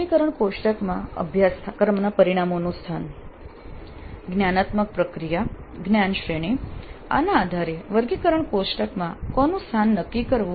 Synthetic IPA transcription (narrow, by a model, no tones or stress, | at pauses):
ikəɾəɳkoʃʈəkmãə̰bʱjaskəɾmnapəɾiɽ̃amonũst̪ʰan | ɡnjanat̪mək̚pɾəkɾija | ɡnjanʃɾeɽ̃ia̰naːd̪ʱaɾeʋəɾɡikəɾəɳkoʃʈəkmãkɔnũst̪ʰanːəkːikəɾʋu